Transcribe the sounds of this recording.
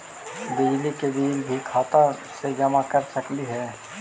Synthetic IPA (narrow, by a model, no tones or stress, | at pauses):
bɪd͡ʒlikebiːlbʱikʰaːt̪ased͡ʒɐmakɐɾsɐkliɦɛː